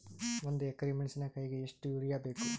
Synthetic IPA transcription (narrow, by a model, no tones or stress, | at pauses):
ond̪ueɡɾimeɳsinɐkɐjɡeeʂʈuuɾijaːbe̞ːku